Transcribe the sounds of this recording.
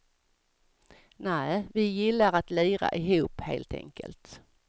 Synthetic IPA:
næːvɪjɪlːaɾat̪liːɾa̰ʔɪɦuːphḛːlt̪ʰɛ̰ŋkə̰lt̪

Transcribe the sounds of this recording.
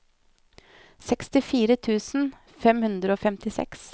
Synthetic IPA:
sɛkst̪ɪfiːɾət̪ʰʉːsn̩ | fɛmhʉnd̪ɾəoːfɛmt̪ɪsɛ̰ks

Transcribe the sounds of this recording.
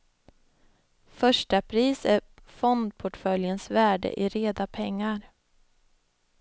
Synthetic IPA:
fœʂʈapʰɾiːsæfɔnd̪̚pʰɔʈfœljənsvæːɖə̰ʔɪɾeːd̪apʰɛŋːaɾ

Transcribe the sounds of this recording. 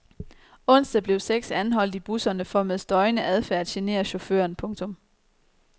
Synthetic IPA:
ɔ̽n̰sd̥æb̥le̝ʊseɡ̥sænɦɒ̽l̰d̥ib̥usɐnəfɒmeðˠsd̥ɒ̽ɪnəʔæð̞ˠfæɐ̰æd̥ɕene̝̰ːɐɕo̝fø̰ɐnpʰɔ̽ŋt͡sʰɔ̽m

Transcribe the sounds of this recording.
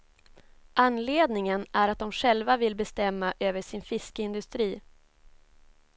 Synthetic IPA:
ʔanleːd̪nɪŋənʔæɾat̪̚d̪ɔmɧɛlvavɪlbɛst̪ɛmːaʔøːvəʂɪnfɪskəɪnd̪ɵst̪ɾiː

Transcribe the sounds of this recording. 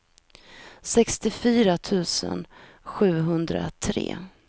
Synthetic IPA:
sɛkst̪ɪfyːɾat̪ʰʉ̟ːsə̰n | ɧʉ̟ːɦɵnd̪ɾa̰t̪ʰɾḛː

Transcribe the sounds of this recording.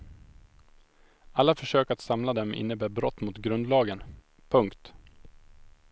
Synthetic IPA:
alːafœʂøːkat̪samlad̪ɛmɪ̰nːəbæːɾbɾɔt̪ːmʊt̪ɡɾɵnd̪lɑːɡən | pʰɵŋkt̪

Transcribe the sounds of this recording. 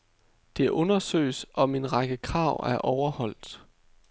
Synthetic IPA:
d̥e̝æʔɔ̽nɐsø̰ːɪsɒ̽me̝nʁɑɡ̥əkʰʁɑ̈ʊ̰æɐʔɒʊɐhɒ̽l̰d̥

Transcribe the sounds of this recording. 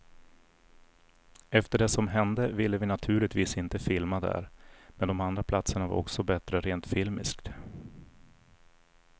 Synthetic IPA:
ɛft̪əɖɛsɔmɦɛnd̪əvɪlːəvɪnat̪ʰʉ̟ːɭɪt̪viːsɪnt̪əfɪlmad̪æ̰ɾmɛnd̪ɔmand̪ɾapʰlat̪səɳava̰ɾɔ̰ksɔbɛt̪ɾəɾeːnt̪fɪlmɪ̰skt̪

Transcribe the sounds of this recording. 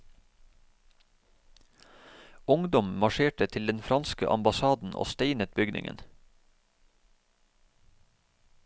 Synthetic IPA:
ʊŋd̪ɔmmɑʃeːʈət̪ʰɪld̪ɛnfɾɑnskəʔɑ̰mbɑsɑːd̪n̩ʔo̰ːst̪eɪnət̪̚bʏɡnɪ̰ŋʔə̰n

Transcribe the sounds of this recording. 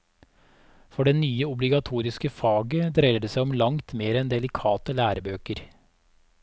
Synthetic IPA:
fɔɖɛnyːəʊblɪɡɑt̪ʰuːɾɪskəfɑːɡəd̪ɾeɪɾəd̪eːsæɪɔmlɑŋt̪meːɾɛnd̪ɛlɪkʰɑːt̪əlæːɾəbøːkəɾ

